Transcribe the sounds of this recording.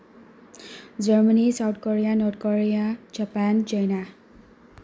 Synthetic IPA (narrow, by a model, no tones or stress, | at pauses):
d͡ʒʌɹmanisawt̚ʰkɔɹijanɔt̚kɔɹijad͡ʒapant͡ʃʌjna